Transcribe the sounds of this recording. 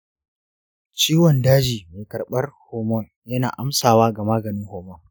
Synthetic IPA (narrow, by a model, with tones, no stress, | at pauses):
t͡ʃiː˦wɔ˨ndaː˦d͡ʒiː˨meː˨kɐ˨rɓɐ˦rhoː˨mɔ˦˨l | jɐ˦na̰ː˨ʔa˦msaː˨waː˦ɡa˨maː˦ɡɐ˨nɪ˦ŋhoː˨mɔ˦l